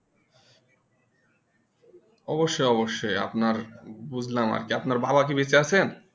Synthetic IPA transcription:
ɔboʃːojɔboʃːoja̰pnaɾbud͡ʑʱlama̰ɾkiapnaɾbabak̬ibet͡ɕeat͡ɕʰen

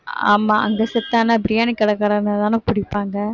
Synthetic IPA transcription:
a̰ːmaːɐ̰ŋɡɐsɛt̪ːaːnabɾɪjaːnikːɐɽɐkɐːɽɐnɐt̪aːnɯpʊɽɪpːaːŋɡɐ

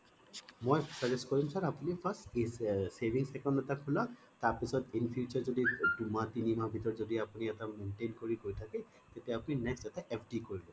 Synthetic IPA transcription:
mojsazɛskoɹimsaɹapunipʰastesebiŋsɛkɔndɛtakʰolɔ | taɹpisɔtinpʰiut͡ʃaɹzodidumatinimabʱitɔɹzodiapuniɛtamentenkoɹiɡojtʰakɛ | tetɛapuninɛkstɛtɛʔɛpʰdikoɹilɔ̃

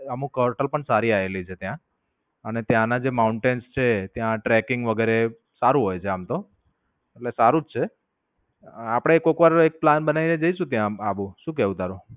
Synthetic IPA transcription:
əmũkəɾʈəlpəɳsaɾiaelit͡ʃʰet̪jã | ənet̪jãnad͡ʒemauɳʈenst͡ʃʰet̪jãʈɾɛkɪŋɡʋəɡɛɾe | saɾũɦojt͡ʃʰeamt̪o | eʈlesaɾũd͡ʒt͡ʃʰe | apɽ̃eekokʋaɾek̚planbənaʋined͡ʒəiʃũt̪jãaʋũʃũk̬ɛʋũt̪aɾũ

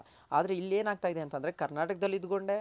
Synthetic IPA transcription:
a̰ːd̪ɐɾe̞ilːe̞ːnaːɡ̚t̪aːid̪e̞ɐnt̪ɐnd̪ɐɾe̞kɐɾnaːʈɐkɐd̪ɐlːid̪ɡo̞ɳɖe̞

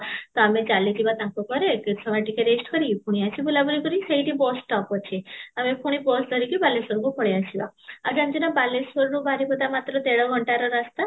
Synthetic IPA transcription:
t̪ɔamed͡ʒalid͡ʑibat̪ãkɔkɔɾekisʰɔmaʈikeɾesʈkɔɾipʰuɽ̃iat͡ʃʰibulabulikɔɾiseiʈibɔsʈɔpɔt͡ʃʰeamepʰuɽ̃ibɔsʈd̪ʱɔɾikibalesɔɾkukʰɔɽeat͡ʃʰilaa̰d͡ʒãnd͡ʑinabalesʋɔɾɽubʱaɾipɔt̪amat̪ɾɔt̪eɭɔɡʱɔɳʈaɾɔɾast̪a

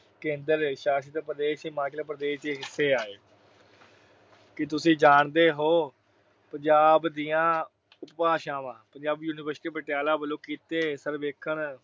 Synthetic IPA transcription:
kẽːnd̪əɾʃaːʃit̪eːpɾəd̪eːʃemãːklaːpɾəd̪eːʃd̪eːɦɪsːeːaːeː | kɪt̪ʊsĩːd͡ʒaːɳd̪eːɦoː | pəɲd͡ʒaːbd̪ijãː | ʊppaːʃãːʋãːpəɲd͡ʒaːbjuːnɪʋəɾsʈiːbəʈjaːlaːbəlõːkiːt̪eːsəɾʋeːkʰəɳ

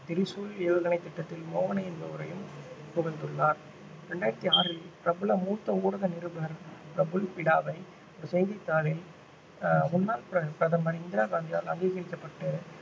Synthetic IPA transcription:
t̪ɪɾɪsuːleːʋɐɣɐnɐɪt̪ːɪʈːɐt̪ːɪlmoːʋɐnɐɪɛnd̪ɐɯɾɐjɯmpʊɣɪnd̪ɯɭːaːɾ | ɾɛɳɖaːjɪɾɐt̪ːiaːɾɪlpɪɾɐbɯlɐmuːt̪ːɐuːɽɐɣɐnɪɾɯbɐɾpɪɾɐbɯlpɪɽaːʋɐɪ | ɔɾɯsɛjnd̪ɪt̪ːaːɾɪl | ʊnːaːlpɾɐpɪɾɐðɐmɐɾɪnd̪ɪɾaːɣaːnd̪ɪja̰ːlɐ̰ŋɡiːɣɐɾɪkːɐpːɐʈːɯ

